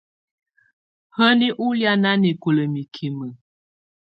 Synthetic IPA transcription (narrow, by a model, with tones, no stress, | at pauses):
hə˦ni˦ʔu˦lja˦na˦ni˨ku˨lə˨mi˨kʰi˨mə˨